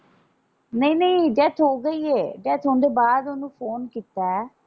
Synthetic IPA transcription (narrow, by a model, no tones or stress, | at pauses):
nəĩːnəĩːɖɛːt̪ʰɦoːɡəiːeːɖɛːt̪ʰɦõːnd̪eːbaːd̪ʊnũːpʰoːnkiːt̪ːaɛ